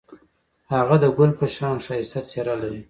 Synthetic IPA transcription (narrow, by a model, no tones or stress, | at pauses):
haɣad̪əɡʊlpəʃɑnʂajisat͡seɾalaɾi